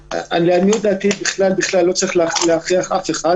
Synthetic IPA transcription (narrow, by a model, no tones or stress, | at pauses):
a̰nianijod̪aːt̪ibiχlalbiχlalːo̞t͡saʁiχlealeaχʁiaχafeχa